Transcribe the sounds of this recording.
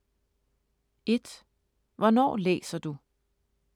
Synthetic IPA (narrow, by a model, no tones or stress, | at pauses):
e̝d̥ | ʋɒnɒ̰ːlḛːsɐd̥u